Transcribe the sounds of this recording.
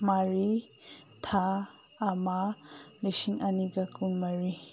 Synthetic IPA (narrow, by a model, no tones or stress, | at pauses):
maɾi | t̪ʰaː | malesiŋaniɡakunmaɾi